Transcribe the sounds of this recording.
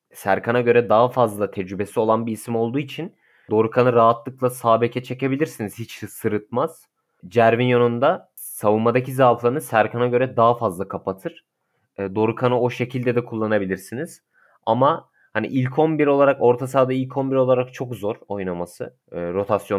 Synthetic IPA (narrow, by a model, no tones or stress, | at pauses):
sæɾkʰanaɟø̞ɾɛd̪aɦafazlˠat̪ʰɛd͡ʒɾybe̞sio̞lˠanbiːsimo̞lˠd̪uːit͡ʃʰin | d̪o̞ɾukʰanɯɾaɦat̪lˠɯk̚lˠasaːbecʰɛt͡ʃʰe̞ce̞bilʲiɾsiniz̥hit͡ʃsɯɾɯt̪̚maz̥ | d͡ʒæɾvinjonund̪a | savumad̪acʰizaflˠanɯsæɾkʰanaɟø̞ɾɛd̪aɦafazlˠakʰapʰat̪ʰɯɾ̥ː | d̪o̞ɾukʰanɯo̞ʃe̞cʰilʲd̪ɛd̪ɛkʰulˠːanabilʲiɾsiniz̥ | a̰ma | hanḭʔilʲcʰo̞nbiɾo̞lˠaɾako̞ɾt̪ʰasaːd̪ailʲcʰo̞nbiɾo̞lˠaɾak̚t͡ʃʰo̞kzo̞ɾo̞jnamasɯ | ɾo̞t̪ʰasjo